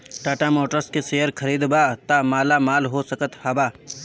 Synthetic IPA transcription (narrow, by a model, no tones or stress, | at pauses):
ʈaːʈamoːʈəɾskeseɦəɾkʰɐɾiːd̪bat̪amaːlamaːlɦosɐkət̪hɐbaː